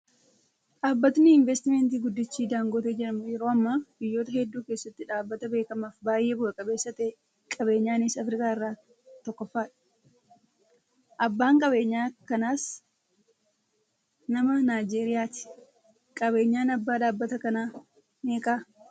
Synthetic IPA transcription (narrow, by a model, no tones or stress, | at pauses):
ᶑaːbːɐt̪nɪɪɱvɛst̪ɪmeːnt̪̬iːɡʊd̪ːɪt͡ʃːiːd̪aːŋɡoːt̪eːd͡ʒɛɾɐmʊjɛɾoːɐmːaːb̥ɪjːo̞ːt̪ɐhɛd̪ːuːke̞ːsːɐt̪ːɪᶑaːbːɐt̪ɐbe̞ːkɐmaːfbaːjʔeːbʊɐkʼɐbeːsːɐt̪e | kʼɐbe̞ːɲːaːnɪsɐfɾɪkaːɪrːaː | t̪ɔkːɔfːaːᶑɐ̥ | ʔɐbːaːŋkʼɐβe̞ːɲːaːkɐnaːs | nɐmɐnaːjd͡ʒe̞ːɾɪjaːt̪ɪ̥ | kʼɐbe̞ːɲːaːnɐbːaːᶑaːbːɐt̪ɐkɐnaː | neːkʼaː